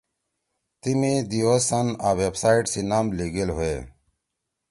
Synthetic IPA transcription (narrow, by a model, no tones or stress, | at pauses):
t̪imid̪iosɐnaːwebsaːiʈsinaːmliɡelɦoe